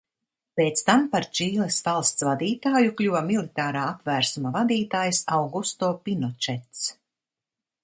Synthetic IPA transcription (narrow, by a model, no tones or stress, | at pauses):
peːt̪st̪ampaɾt͡ʃiːlesvalˠst̪svad̪iːt̪aːjuklʲuvamilˠit̪aːɾaːap̪væːɾsumavad̪iːt̪aːjsawɡust̪oːpinɔt͡ʃɛt̪s